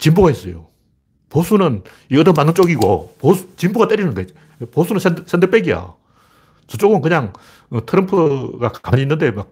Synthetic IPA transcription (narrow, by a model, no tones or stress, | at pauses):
t͡ɕimbuɡaɦes͈ʌjo̰ | posʰunɯn | iʌdɯmanːɯnt͡ɕ͈oɡiɡoposut͡ɕimbuɡat͈eɾinɯnde̞ | posʰunɯnsʰes͈ʰend̪ɯp͈eɡija̰ | t͡ɕʌt͡ɕ͈oɡɯmɯkɯɲaŋ | ɯtʰɯɾʌmpʰɯɡakkamɲinːɯnde̞mak̚